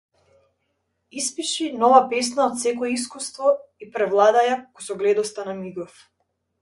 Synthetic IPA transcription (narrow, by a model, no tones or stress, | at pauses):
ispiʃinɔvapɛsnaɔt̪sɛkɔɛis̬kust̪vɔipɾɛvlˠad̪ajakkɔsɔɡlɛd̪ɔst̪anamiɡɔf